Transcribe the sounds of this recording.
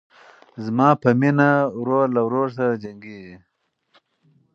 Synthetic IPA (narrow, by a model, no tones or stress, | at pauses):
zmɑːpəminawɾoːɾlawɾoːɾs̬aɾd͡ʒaŋɡiːɡi